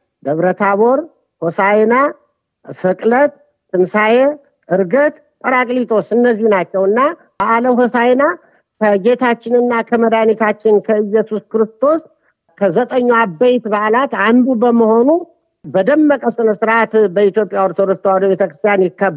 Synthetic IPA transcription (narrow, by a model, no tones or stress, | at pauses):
d̪əβɾət̪ʰaβoɾ | hosajena | sɨkʼlət̪ː | ɨnsaje | ɨɾɡət̪ | kʼəɾakʼlit̪ʰʼo̞sɨnːəzːihunat͡ʃːɛwɨnːa | baʔləwɦosajena | kʰəɡe̞t̪ʰat͡ʃːɪnɨnːakʰəməd̪anit̪ʰat͡ʃːɪnkʰəɨjːɛsuskɨɾɨst̪ʰo̞s | kʰəzət̪ʼəɲːuabejt̪baʔlat̪and̪ubəməho̞nu | bəd̪əmːəkʼəsɨnəsɨɾʔat̪bəit̪jo̞pʼːjawoɾt̪ʰod̪ost̪ʰwad̪əbe̞t̪ʰəkɾɨst̪ʰjanjɪkːəb